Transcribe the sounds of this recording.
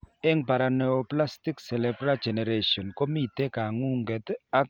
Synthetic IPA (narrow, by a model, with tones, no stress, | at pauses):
ɛ˦ŋpa˨ɾa˨nɛɔ˨pla˦sti˦ksɛ˨lɛbɾa˦d͡ʒɛ˨nɛ˨ɾeʃɔ˨nkɔ˦mi˦te˦ka˨ŋu˦ŋɡɛ˨ta˦k